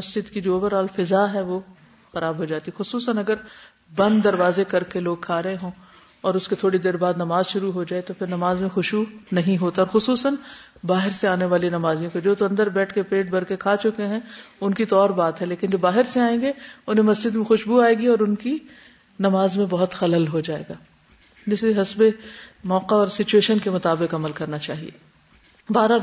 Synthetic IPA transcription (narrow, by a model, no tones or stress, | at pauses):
mɐsd͡ʒɪd̪kid͡ʒoːbəɾaːlfɪzaːɦɛʋo | xɐɾaːbɦod͡ʒaːt̪iɦɛxʊsuːsənɐɡəɾ | bɐ̃nd̪ːɐɾʋaːzekɐɾkeloːɡ̚kʰaːɾɐɦẽɦõː | ɔːɾʊsket̪ʰoːɽid̪eːɾbaːd̪nɐmaːzʃʊɾuɦod͡ʒaːet̪opʰɪɾnɐmaːzmẽxʊʃunɐɦĩɦoːt̪aɔːɾxʊsuːsən | baːɦɪɾseaːneʋaːlinɐmaːzijõked͡ʒoːt̪oɐ̃nd̪əɾbɛːʈʰkepeːʈ̚bɐɾkekʰaːt͡ʃʊkeɦɛ̃ʊnkit̪ɔːɾbaːt̪ɦɛleːkɪnd͡ʒoːbaːɦɪɾseaːẽːŋɡeʊnɦẽmɐsd͡ʒɪd̪mẽxʊʃbuaːeːɡiɔːɾʊnki | nɐmaːzmẽbɐɦʊt̪xɐləlɦod͡ʒaːḛːɡaː | d͡ʒɪseɦɐsbemɔːqaɔːɾsɪt͡ʃueːʃənkemʊt̪aːbɪqɐməlkɐɾnat͡ʃaːɦḭḛː | baːɾa